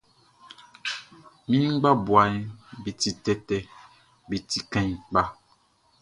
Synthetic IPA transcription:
mĩ˦ŋ˦ɡ͡ba˦bwa˨ɲ˦bi˨ti˨tɛ˦tɛ˨ | bi˨ti˨kɛ̃˨ɲ˨k͡pa˦

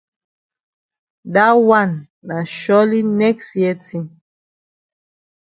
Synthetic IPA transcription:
da˦wa˦˨nː | a˨ʃɔ˦li˦nɛ˦ksjɛ˦ti˦˨n

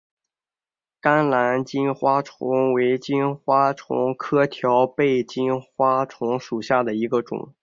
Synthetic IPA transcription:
ka˥nla˧˥nt͡ɕi˥nxwa˥ʈ͡ʂʰʊ̰˧˥ŋwe˧˥ɪt͡ɕi˥nxwa˥ʈ͡ʂʰʊ̰˧˥ŋkʰɤ˥t̪ʰjɑ˧˥ʊpe˥˩ɪt͡ɕi˥nxwa˥ʈ͡ʂʰʊ˧˥ŋʂu˨˩ɕja˥˩d̪ə˩i˧˥ɡə˧ʈ͡ʂʊ̰˨˩˦ŋ

